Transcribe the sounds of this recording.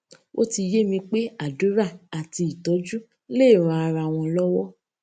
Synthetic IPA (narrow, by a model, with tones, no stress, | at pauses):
o˦ti˧je˦mĩ˧k͡pe˦a˨du˨˦ɾa˦˨a˨ti˧i˨tɔ˨˦d͡ʒu˦ | le˦˨ɾ̃ã˧a˧ɾa˧w̃ɔ̃˧lɔ˦wɔ˦